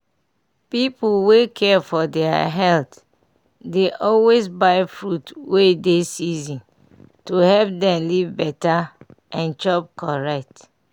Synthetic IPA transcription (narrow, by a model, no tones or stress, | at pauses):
pipuwekʰɛfɔdɛa̰ɦɛlt | deʔɔlwezbaɪfɹutwedesizĩn | tuhɛlp̚dɛ̃mlivbɛtaʔɛ̃nd͡ʒɔp̚kɔɹɛk̚t